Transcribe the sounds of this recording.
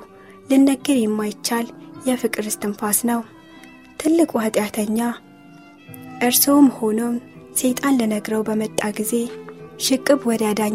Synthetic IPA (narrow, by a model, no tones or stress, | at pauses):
lɨnːəɡːɨɾjɛmːajɪt͡ʃːaljɛfɨkʼɨɾɨst̪ʰɨmfasnəw | t̪ʰɨlːɨkʼuhət̪ʼjat̪ʰəɲːa | ʔɨɾsomho̞nomse̞t̪ʼanlənəɡɾəwbəmət̪ʼːaɡize̞ʃɨkʼːɨbwɔd̪jad̪aɲ